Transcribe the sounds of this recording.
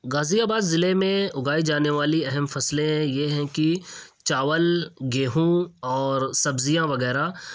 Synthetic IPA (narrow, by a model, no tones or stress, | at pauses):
ɡaːzijaːbaːd̪zɪlemẽʊɡaːid͡ʒaːneʋaːliɛɦɛmfɐslẽjeɦɛ̃kit͡ʃaːʋəlɡeːɦũɔːɾsɐbzijãʋɐɣɛːɾa